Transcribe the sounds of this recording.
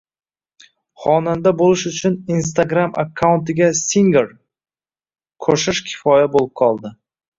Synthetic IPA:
χɒnand̪abolɪʃʊt͡ʃʰʊnins̬t̪aɡɾama̰kʰːawʊnt̪ɪɡʲasiŋɡeɾ | kʰɵʃɪʃkʲʰɪ̥fɒjabolˠɪp̚qʰɒlˠd̪ɪ

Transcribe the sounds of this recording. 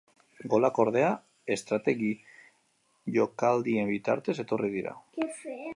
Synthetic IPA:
ɡo̞lako̞ɾð̞e̞a | e̞st̪ɾat̪e̞ɣi | ʝo̞kald̪ie̞mbit̪a̰ɾt̪e̞se̞t̪o̞rið̞iɾa̰

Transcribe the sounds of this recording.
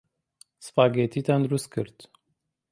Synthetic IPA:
sɨ̥faːɡet̪ʰiːt̪ʰand̪ɾust̪̚kʰɨɾt̪

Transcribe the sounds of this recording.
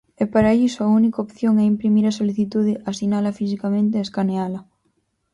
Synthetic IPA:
ɛpaɾaeʎisoaunikaopθjoŋɛimpɾimiɾasoliθit̪uð̞eʔasinalɐfis̬ikamẽnt̪eaeskanealɐ

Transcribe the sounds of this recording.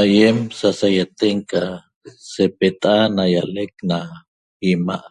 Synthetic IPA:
ajemsasajat̪eŋka | sepet̪ʼanajalekna | ima̰ʔ

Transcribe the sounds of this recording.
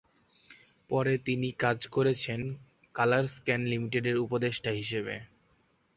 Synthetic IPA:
pɔɾet̪inikad͡ʑkoɾet͡ɕʰen | kalaɾskɛnlimiʈeɖeɾupod̪eʃʈaɦiʃebḛ

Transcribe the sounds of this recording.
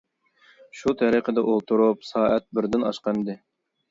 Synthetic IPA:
ʃut̪ʰɑɾiqʰəd̪ɛʔolˠt̪ʰuɾupsɑːɛt̪̚bɪɾd̪ɪnɑ̰ʃqɑmd̪ɨ

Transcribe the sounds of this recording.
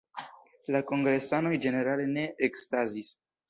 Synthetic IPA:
lako̞ŋɡɾe̞sano̞jd͡ʒe̞ne̞ɾale̞ne̞ekstazis

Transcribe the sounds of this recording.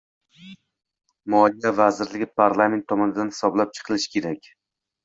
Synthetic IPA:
mɒlijavazɪɾlɪɡʲɪpʰaɾlˠame̞nt̪ʰːɒmɒnɪd̪anhɪ̥sɒblap̚t͡ʃʰɨ̥qʰɨlˠɪʃkʲʰe̞ɾakʲ

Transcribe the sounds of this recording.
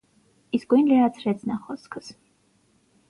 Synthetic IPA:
isɡuinlɛat͡sʰɾɛt͡sʰnaχɔskʰəs

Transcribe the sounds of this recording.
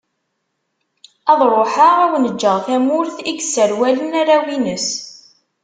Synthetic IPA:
ɑðˤɾˤoħaʁæwnəd͡ʒːəʁθæmʊɾθiɡsːəɾwælənaɾawinəs

